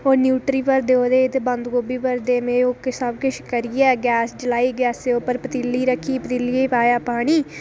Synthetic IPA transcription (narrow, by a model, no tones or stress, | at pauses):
oːɾnjuːʈɾiːpəɾd̪eːoːd̪eːɪd̪bə̃nd̪ɡoːbiːpəɾd̪eːmẽːoksəbkɪʃkəɾiɛːɡɛːsd͡ʒəlaːiːɡɛːseːopəɾpət̪iːlːiːɾəkʰːiːpət̪iːliepaːjaːpaːɽ̃iː